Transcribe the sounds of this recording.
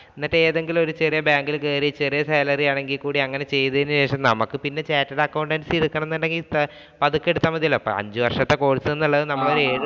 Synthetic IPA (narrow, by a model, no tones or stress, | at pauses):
inːɐʈːeeːðe̞ŋɡilo̞ɾut͡ɕerijɐbjaːŋɡilkeːɾit͡ɕerijɐseːlɐriaːɳe̞ŋɡilkuːɽiɐŋːɐne̞t͡ɕe̞jːðɐðinːɨɕe̞ːʂɐmnɐmɐkːɨpinːe̞t͡ɕaːtːɐɽɐkːɐwɳɖɐnsiiɽukːɐɳɐmnːuɳɖeŋɡil | pɐðukːe̞ɽut̪ːamːɐðiɐlːopːɐ̰ɲd͡ʑɨʋɐrʂɐt̪ːe̞ko̞ːɽisɨenːuɭːɐðɨnɐmːɐɭo̞ɾueːɽɨ